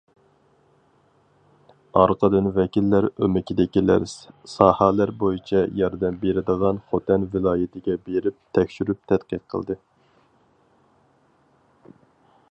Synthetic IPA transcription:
ɑɾqʰəd̪ɨnvɛkʲilːæɾømɪkʲid̪ɪkʲilæ̰ɾssɑːhɑlæɾbojit͡ʃʰɛjɑɾd̪ɛmbeɾɪd̪əʁɑnχot̪ʰɛnvɪlˠɑːjɪt̪ʰɪɡʲɛbeɾɪp̚t̪ʰɛkʲʃyɾyp̚t̪ʰɛt̪qəə̰lˠd̪ɨ

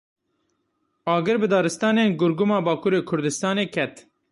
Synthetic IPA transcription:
ɑːɡɨɾbɨd̪ɑːɾɨst̪ɑːneːnɡʊɾɡʊmɑːbɑːkʰuːɾeːkʰʊɾd̪ɨst̪ɑːneːkʰɛt̪

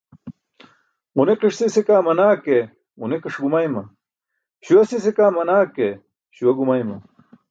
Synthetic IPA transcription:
uneqiʂsisekaːmɐnaːke | uneqiʂɡumajmɐ | ɕuwɐsisekaːmɐnaːke | ɕuwɐɡumajmɐ

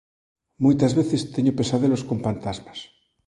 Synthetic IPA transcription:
mujt̪azβeθest̪eɲopesaðeloskõmfant̪azmas

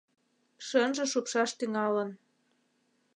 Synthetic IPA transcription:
ʃənʒə̆ʃupʃɑʃt̪yŋɑlə̆n

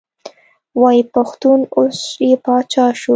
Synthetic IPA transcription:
wɑjipaxt̪unosjepɑt͡ʃɑʃu

